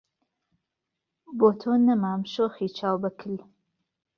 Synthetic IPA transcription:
boːt̪ʰoːnːɐmaːmʃoːxiːt͡ʃʰaːwbɐkʰɪl

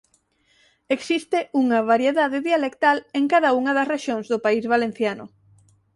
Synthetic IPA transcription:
eksist̪eʔuŋɐβaɾjeðaðɪðialekt̪aleŋkaðauŋɐðɐsreʃjoŋzðʊpaizβalẽn̟θjanʊ̰

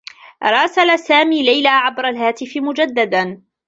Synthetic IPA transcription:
ɾˤɑːsalasaːmiːlajlaːʕabɾˤalɦaːt̪ɪfɪmʊd͡ʒad̪ːad̪an

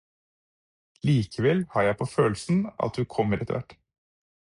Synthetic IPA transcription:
liːkʰəʋɛlhɑːɾjæɪpʰoːføːlsn̩ɑ̰t̪̚dʉkʰɔmːəɾɛt̪ə̰ʋæ̰ʈː

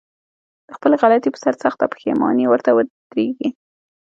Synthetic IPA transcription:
d̪̥əxpəlɣalat̪ipə̥saɾsaxt̪apə̥xḛmɑ̰newəɾt̪awəd̪̥ɾeɡi

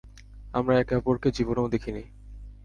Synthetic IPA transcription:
amɾaɛkɛpoɾked͡ʑibonawd̪ekʰini

